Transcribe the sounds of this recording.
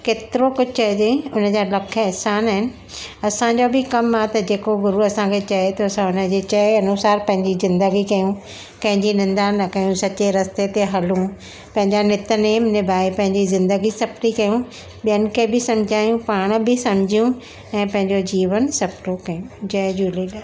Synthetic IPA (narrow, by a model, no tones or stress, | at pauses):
keːt̪ɪɾokʊd͡ʑʱt͡ɕɐd̪ẽʊnə̆d͡ʑaːlɐkʰɛɦsaːnaːɦɪnɪ̆ | ɐsãd͡ʑobɪkɐmat̪ɐd͡ʑeːkoɡʊɾuɐsãkʰet͡ɕɐet̪oɐsãʊnəd͡ʑet͡ɕɐeɐnusaːɾpɐ̃ɦɪ̃ɲd͡ʑizɪ̃nd̪əɡikɐjũ | pɐ̃ɦɪ̃ɲd͡ʑinɪ̃nd̪aːnɐkɐjũsɐt͡ɕeɾɐst̪et̪eɦɐlũ | pɐ̃ɦɪ̃ɲd͡ʑanɪt̪əneːmnɪbʱaːepɐ̃ɦɪ̃ɲd͡ʑizɪ̃nd̪əɡisɐpʈikɐjũ | ɓijənɪ̆kʰebɪsɐ̃m̤d͡ʑʱaːjũpaːɽ̃bɪsɐ̃m̤ɪd͡ʑʱijũ | ɛ̃ːpɐ̃ɦɪ̃ɲd͡ʑod͡ʑiːʋənsɐpʈokɐjũd͡ʑɐd͡ʑulilaː